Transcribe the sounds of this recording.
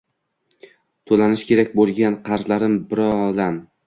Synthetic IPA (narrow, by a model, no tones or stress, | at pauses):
t̪ʰolanɪʃkʲʰe̞ɾakʲbolˠɡʲanqʰɑɾzlaɾɪmbɪɾɒd̪am